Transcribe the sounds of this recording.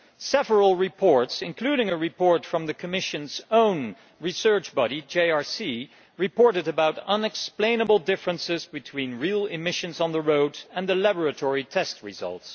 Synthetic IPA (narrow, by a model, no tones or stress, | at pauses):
sɛvəɹəl̩ˠɹɨpʰɔɹtsɨ̃nkʰl̥ʉɾɪ̃ŋɨɹɨpɔɹtfɹʌ̃mðɨkʰɨmɪʃɨ̃nz̥õʊ̃n | ɹisɜ˞t͡ʃb̥ɑɾid͡ʒeɪɑɹsi | ɹɨpɔɹɾɨɾɨbaʊɾʌ̃nɨksplẽɪ̃nəbl̩ˠdɪfɹə̃nsɪzbɨtʰw̥ĩnɹilˠɪmɪʃɨ̃nzn̩ðəɹoʊdɨ̃nðɨlæbə˞ɨtʰɔɹitʰɛst̚ɹɨzʌ̰lˠts